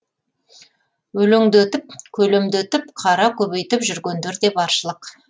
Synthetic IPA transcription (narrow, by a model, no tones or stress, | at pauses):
wɵlɪŋd̪ɪwɵt̪ɪp̚kʲʰɵlemd̪ɪɵt̪ɪpqʰɑɾɑkʲʰɵβejt̪ɪpʒʏɾɡʲe̞nd̪eɾd̪e̞bɑɾʃəlˠəq